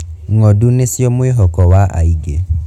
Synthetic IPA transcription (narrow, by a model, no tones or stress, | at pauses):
ŋɔdunesjɔmweɦɔkɔwaʔa̰iɡe